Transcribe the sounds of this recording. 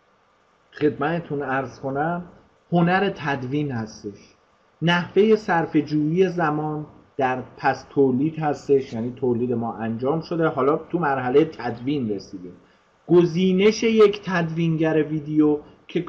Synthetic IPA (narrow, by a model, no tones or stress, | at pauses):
χe̞d̪mæt̪ʰet̪ʰunæɾz̥kʰo̞næm | ho̞næɾe̞t̪ʰæd̪viːnhæst̪e̞ʃ | næhve̞je̞sæɾfe̞d͡ʒuːjiːje̞zæmɒːn | d̪̥æɾpʰæst̪ʰoːliːd̪̥hæst̪e̞ʃjæːniːt̪ʰoːliːd̪e̞mɒːʔænd͡ʒɒːmʃo̞d̪e̞ɦɒːlɒːt̪ʰumæɾɦælejet̪ʰæd̪viːnre̞siːd̪im | ɡ̥oziːne̞ʃe̞jecʰt̪ʰæd̪viːnɟæɾe̞viːd̪ejo | cʰe̞